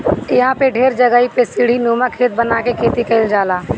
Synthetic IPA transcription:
ɪɦãpeɖʱeːɾd͡ʒəɡəːipesɪɽ̤inuːmãkʰeːt̪̚bənakekʰeːt̪ikəɪld͡ʒaːlaː

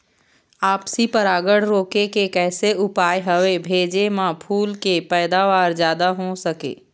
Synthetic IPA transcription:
aːpsipɐɾaːɡəɽ̤ɾoːkekekɛːseʊpaːjɦəʋebʱeːd͡ʒemãpʰuːlkepɛːd̪aʋaːɾzjaːd̪aɦõsɐkḛː

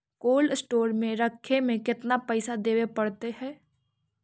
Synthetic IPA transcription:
koːlsʈoːɾmẽɾəkʰːemẽkɪt̪napɛɪsad̪eːʋepɐɽt̪eɦɛ̃ː

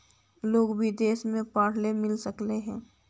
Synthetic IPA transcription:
loːɡbʱid̪eːsmẽpaːɽ̤lemɪlsəkleɦɛ̃ː

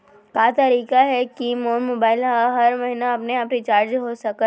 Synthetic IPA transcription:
kaːt̪ɐɾiːkaɦɛkimoːnmoːbaːɪlɦaɦɐɾmɐɦinaɐpneaːpɾit͡ʃaːɾd͡ʒɦosɐkə

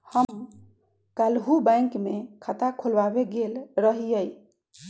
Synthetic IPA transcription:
həm | kalɦubãɪ̃kmekʰat̪akʰolbabeɡelɾəɦijəj

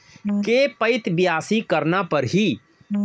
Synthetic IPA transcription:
kepəɪt̪bɪjaːsikɐɾnapɐɾɦi

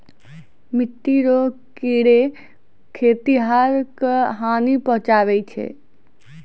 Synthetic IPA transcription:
mɪʈːiɾo | kiɽe | kʰeːt̪iɦaːɾkɦaːnipɔɦʊ̃t͡ʃaːʋeit͡ʃʰḛ

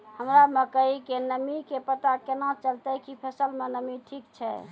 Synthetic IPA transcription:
həmɾaməkəɦikenəmikepət̪akenat͡ʃəlt̪əkipʰəsəlmenəmiʈʰikt͡ʃʰɛ̰

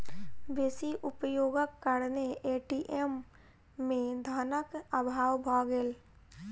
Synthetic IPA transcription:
ʋeːsiʔʊpjoːɡəkːəɽneeːʈiːʔemː | ẽd̪ʱaːnəkəbʱaːwbʱaːɡel

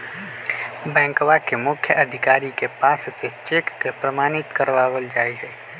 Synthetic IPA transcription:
bɛ̃ːŋkʋakemʊkʰːjəʔəd̪ʱɪkaːɾikepasset͡ʃekːepɾəmaːnit̪kəɾʋaːʋəld͡ʒajd͡ʒɛ

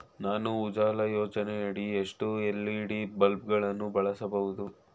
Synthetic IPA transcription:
naːnuːd͡ʒaːlɐjoːt͡ʃɐneɐɽieʂʈuelːiːɽibɐlp̚ɡɐɭɐnːubɐɭɐsɐbɐʋud̪u

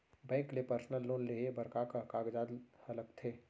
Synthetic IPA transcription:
bɛ̃ːŋklepəɾsnəlːoːnleɦebəɾkakakaːɡd͡ʒaːd̪hɐləkt̪ʰeː

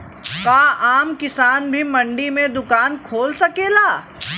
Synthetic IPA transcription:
kaːaːmkɪsaːnbʱimɐ̃ɳɖimẽd̪ʊkaːnkʰoːlsɐkeːlaː

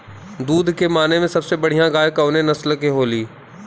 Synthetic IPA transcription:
d̪uːd̪ʱkemaːnemẽsɐbsebɐɽ̤ijãɡaːjkɐʊnenɐslkeɦoːliː

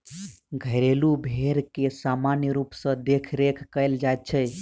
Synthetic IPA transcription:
ɡʱəjɾelubʱeɾkesamanjəɾupsə̃d̪ekʰɾekʰkəɪld͡ʒajt̪̚t͡ʃʰəj

